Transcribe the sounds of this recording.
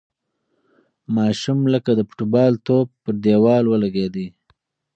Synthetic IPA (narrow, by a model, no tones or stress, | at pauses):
mɑʃumləkad̪əpʊ̥ʈubɑlt̪ob̚pəɾd̪ewɑlwəlaɡed̪i